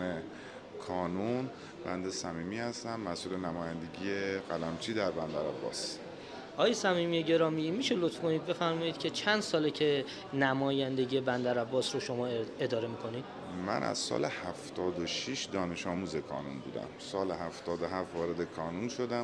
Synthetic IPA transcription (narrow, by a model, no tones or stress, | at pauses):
e | kʰɒːnun | bænd̪esæmiːmiːhæst̪æmːæsʔuːlenæmɒːjænd̪e̞ɡiːjeɣælæmt͡ʃʰiːd̪æɾbænd̪æɾæbːɒ̰ːs | ʔɒːjesæmiːmijeɟe̞ɾɒːmimiːʃe̞lot̪fkoniːd̪̚be̞fæɾmɒːjiːd̪cʰe̞t͡ʃʰænd̪sɒːlecʰe̞ | næmɒːjænd̪e̞ɟijebænd̪æɾæbːɒːsɾoʃo̞mɒːe̞d̪ɒːɾe̞miːkʰo̞niːd̪̥ | mæ̰nʔæ̰z̥sɒ̰ːlehæft̪ʰɒːd̪oʃiʃd̪ɒːne̞ʃɒːmuːzekʰɒ̰ːnunbuːd̪æ̰msɒːleɦæft̪ɒːd̪oɦæft̪vɒːɾed̪ekʰɒːnunʃod̪æm